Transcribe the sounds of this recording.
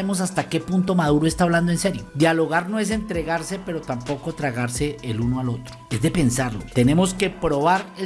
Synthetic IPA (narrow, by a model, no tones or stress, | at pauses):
emo̞s̬ast̪ake̞punt̪o̞maðuɾoe̞st̪aːβland̪oense̞ɾjo̞d̪jalo̞ɣaɾno̞e̞s̬e̞nt̪ɾe̞ɣaɾse̞pe̞ɾo̞t̪ampo̞ko̞t̪ɾaɣaɾse̞ːlunoalo̞t̪ɾo̥e̞zd̪e̞pe̞nsaɾlo̞t̪e̞ne̞mo̞ske̞pɾo̞βaɾe